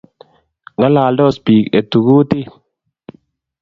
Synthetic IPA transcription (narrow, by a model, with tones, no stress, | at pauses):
ŋa˦la˨ldɔ˦˨spiː˨ke˨t̪u˨ɡu˦t̪ɪ˦